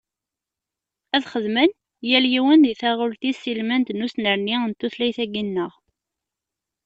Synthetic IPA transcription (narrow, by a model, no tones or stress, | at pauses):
æðχəðmən | jæljiwənðiθæʁʊlt̪isilmænd̪nusnəɾniənt̪ːuθlæjθæɡinːəʁ